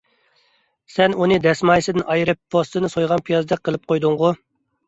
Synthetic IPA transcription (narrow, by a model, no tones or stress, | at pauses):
sɛnunɨd̪ɛsmɑjsɨd̪ɪnʔɑjɾɨpʰːost̪ɨnɨsojʁɑnpʰijɑzd̪ɛqʰəlˠɨp̚qʰojd̪ʊŋʁʊ